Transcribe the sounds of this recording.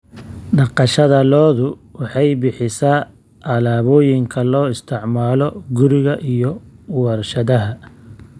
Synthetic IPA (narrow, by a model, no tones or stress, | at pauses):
ɖɑqɑʃɐðɐlɔːðʊ | wɑħɑjbɪħɪsaː | ʔɐlaːβɔːjɪŋkʰɐlɔːɪst̪ʰɪʕmaːlɔɡʊɾɪɣɐʔijɔwɐrʃɐðɐɦɐ